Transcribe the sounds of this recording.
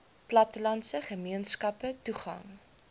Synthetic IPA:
plɐtəlɐntsəχəmiənskɐpətuχɐ̰ŋ

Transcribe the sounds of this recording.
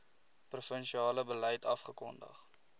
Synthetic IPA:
prufənʃiɑːləbələjtɐfχəkɔ̰ndə̰χ

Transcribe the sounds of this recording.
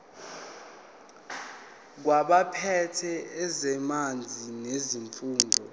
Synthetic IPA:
k̬waɓapʰɛtʰɛːzɛmand͡zʱineziɱfuːndʱɔ

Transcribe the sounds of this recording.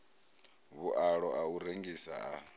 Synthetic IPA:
βuʔaɺɔʔauɾeŋɡisa̰a

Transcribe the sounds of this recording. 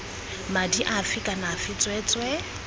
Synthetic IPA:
madiʔafɪkʼanafɪt͡sʼwɛt͡sʼwɛ

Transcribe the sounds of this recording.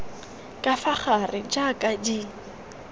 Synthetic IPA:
kʼafaχarɪd͡ʒakʼadi

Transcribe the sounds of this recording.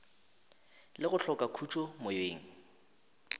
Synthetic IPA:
lɪɣʊɬʰɔkʼakʰut͡ʃʰʼomojeːŋ̩

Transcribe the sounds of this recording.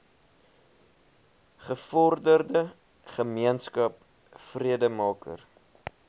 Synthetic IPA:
χəfɔrdərdə | χəmiənskɐp̚ | friədəmɑːkə̰r

